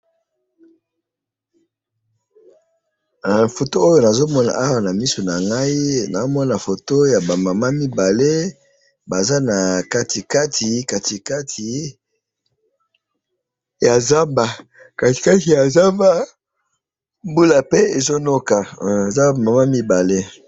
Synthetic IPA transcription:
fo˨to˦o˦jo˨na˨zo˦mɔ˦na̰˨ʔa˦wa˨na˨mi˦so˨na˨ŋɡa˦i˦na˨o˦mɔ˦na˨fo˨to˦ja˨ba˨ma˨ma˦mi˦ba˨le˦ | ba˨za˦na˨ka˦ti˨ka˦tʰi˨ka˨ti˨ka˦tʰi˨ | ja˨za˦mba˨ | ka˨ti̥˨ka˦ti˨ja˨za˦mba˦ | mbu˦la˨pe˦e˨zo˦no˦ka˨e˨za˦˨ma˨ma˦mi˦ba˨le˦

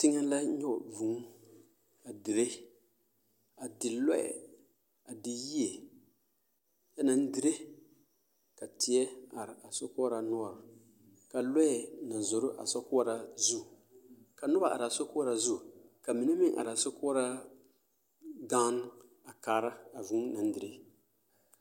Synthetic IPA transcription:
tɪ˦ŋa˦la˦ɲɔ˦˨vu˨ŋ˦ | a˨dɪ˨ɾe˦ | a˨dɪ˨lɔ˦ɛ̰˨ | a˨dɪ˨ji˦e˨ | ja˦na˨n̩˦dɪ˨ɾe˦ | ka˨tʰɪ˨ɛ˦a˨ɾɪ˨a˨so˦kʊ˦ɾa˨nʊ˦a˨ɾa˨ | ka˨lɔ˦˨na˨zo˨ɾʊ˦ʔa̰˨sɔ˦kʊ˦a˦ɾa˨zu˦˨ | ka˨nʊ˦ba˨ʔa̰˨ɾa˨so˦kʊ˦a˦ɾa˨zu˦˨ka˨mi˨nɛ˦mɪ˦ʔa̰˨ɾɪ˨a˨sɔ˦kʊ˦a˦ɾa˦ | ɡã˦n˦ | a˨kaː˨˦ɾa˦a˨vu˦na˨n˦dɪ˨ɾe˦

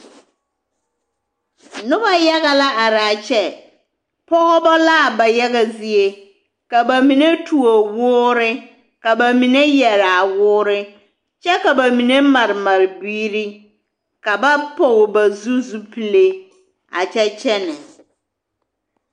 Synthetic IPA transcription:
nʊ˦ba˦ja˦ɣa˨la˦a˨ɾaː˨t͡ʃɛ˦ | pɔ˦ɣɔ˦bɔ˦la˦˨ba˨ja˦ɣa˨zi˨e˨ | ka˨ba˨mi˨ne˦tʰu˨o˨wʊː˦ɾɪ˦ | ka˨ba˨mi˨ne˦jɛ˨ɾa˨wʊː˦ɾɪ˦ | t͡ʃɛ˦ka˨ba˨mi˨ne˦ma˨ɾɪ˨ma˨ɾɪ˨biː˦ɾi˦ | ka˨ba˦po˨ɣba˨zu˦zu˦pi˨le˦ | a̰˨t͡ʃɛ˦t͡ʃɛ˦nɪ˨

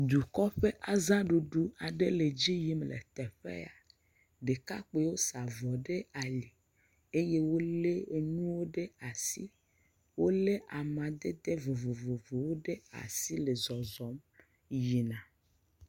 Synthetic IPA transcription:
d̪u˨kɔ˦ɸe˦ʔa˦zã˦ɖu˨ɖu˦a˨ɖe˦le˨d͡ʑi˦ji˦mlḛ˨t̪ɛ˨ɸḛ˦a˨ | ɖe˨ka˦k͡pe˨wo˦sa˨vɔ˨ɖe˦a˨li˨ | e˦je˦wo˦le˦e˦ɲũ˦wo˦ɖe˦a˨si˦ | wo˦le˦ʔa˨mã˨d̪e˦d̪e˦vo˨vo˨vo˨vo˨wo˦ɖe˦a̰˨si˦le˨zɔ˨zɔ˨˦m | ji˨nã˨

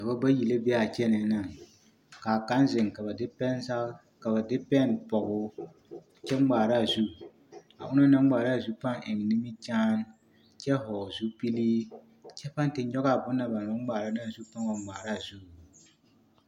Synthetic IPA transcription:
ka˨ba˦ba˦ji˨le˦bɛ˦a˨t͡ʃɛ˦nɪ˨˦na˨ŋ | kaː˨ka˦nzɪ˨ŋ˨ka˨ba˨dpɛ˦na˦ | ka˨ba˨dɪ˦pɛ˦˨npɔ˨ɡʊ˦˨ | t͡ʃɛ˦ɡ͡baː˨ɾa˦˨zu˦ | a̰˨ʔʊ˦na˦na˦ŋ˦ɡ͡baː˨ɾa˦˨zu˦pa˦ŋʔɪ˨ŋ˨nɪ˦mi˦d͡ʒaː˦n | t͡ʃɛ˦ɦɔː˨zu˦pi˦liː˦ | t͡ʃɛ˦pa˦n˦tɪ˨˦ɲɔ˦ɡa˦˨bʊ˦nːa˨ba˨nʊ˦ŋ˦ɡ͡baː˨ɾa˦na˦˨zu˦pa˦ŋa˨˦ɡ͡baː˨ɾa˦˨zu˦˨

